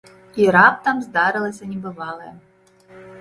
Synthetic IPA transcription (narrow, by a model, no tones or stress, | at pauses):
iɾap̚t̪amzd̪aɾɨlˠɐsʲɐnʲɛbɨvɑlˠɐjɛ